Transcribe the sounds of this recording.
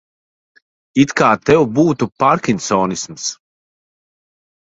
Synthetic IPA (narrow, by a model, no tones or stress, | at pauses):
it̪kaːt̪ɛwbuːt̪upaɾkʲinʲsɔːnisms